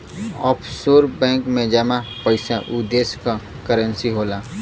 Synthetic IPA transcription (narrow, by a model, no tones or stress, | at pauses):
ɔːpʰsoːɾbɛ̃ːŋkmẽd͡ʒamapəɪsaʔʊd̪eːska | kəɾə̃nsiɦoːlaː